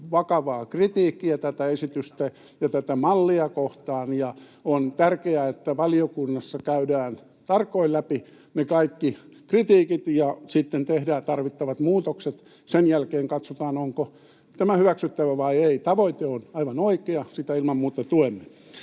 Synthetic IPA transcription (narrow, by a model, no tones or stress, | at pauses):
ʋɑkɑʋɑːkrit̪iːkːiæt̪æt̪æesit̪yst̪æ | jɑt̪æt̪æmɑlːiɑkoht̪ɑːnjɑ | ont̪ærkeæet̪ːæʋɑliokunːɑsːɑkæydæːn | t̪ɑrkːˑoilæpi | nekɑikːikrit̪iːkit̪jɑsit̪ːent̪ehdæːt̪ɑrʋit̪ːɑʋɑt̪muːt̪okset̪ | senjælkeːŋkɑt̪sot̪ɑːnoŋko | t̪æmæhyʋæksyt̪ːæʋæʋɑieit̪ɑʋoit̪eonɑiʋɑnoikeɑsit̪æilmɑmmuːt̪ɑt̪uemːe